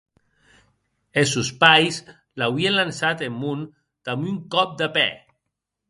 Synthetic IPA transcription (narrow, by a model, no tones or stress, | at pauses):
esuspajs | lawienlansat̪emːun | t̪amyŋkɔp̚d̪əpɛ